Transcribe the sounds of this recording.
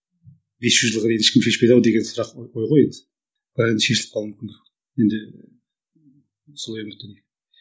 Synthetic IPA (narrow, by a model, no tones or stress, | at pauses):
be̞sʒ̥ʏzʒəlˠʁɑd̪ejnɪʃkʲɪmʃe̞ʃpejd̪ɑwd̪e̞ɡʲesʊɾɑqojʁojen | b̥ɑjɑnʃe̞ʃɪlɪp̚qʰɑlˠumɪmʲkʲɪnd̪ɪkʲ | jend̪ɪ | solˠɑjmɪk̪ʲɪne